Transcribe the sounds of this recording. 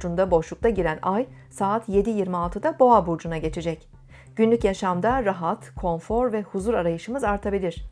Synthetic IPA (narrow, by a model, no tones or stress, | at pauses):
d͡ʒund̪abo̞ʃlˠuk̚t̪ʰaɟiɾænajsaːt̪ʰje̞d̪ijiɾmialˠt̪ʰɯd̪abo̞abuɾd͡ʒunaɟe̞t͡ʃʰed͡ʒɛc | ɟ̥ynlʲycjaʃamd̪aɾaɦat̪kʰo̞nfo̞ɾvɛhuzuɾaɾajɯʃɯmɯzaɾt̪ʰabilʲiɾ̝̥